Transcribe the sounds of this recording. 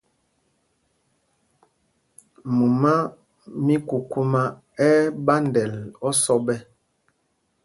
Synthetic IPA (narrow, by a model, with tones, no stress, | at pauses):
mu˨ma˦ | mi˦ku˨ku˦ma˦ | ɛ˦ba˦ndɛ˨lɔ˦sɔ˦bɛ˦